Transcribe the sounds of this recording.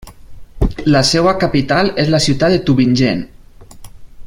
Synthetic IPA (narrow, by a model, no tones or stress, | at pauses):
lasɛwakapit̪alezlasiut̪aet̪uβinʲʒen